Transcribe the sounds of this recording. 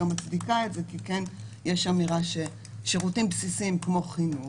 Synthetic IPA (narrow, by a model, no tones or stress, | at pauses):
amat͡sdikaetzekikenjeʃamiʁaʃe̞ | ʃeʁutimbsisimkmo̞χinu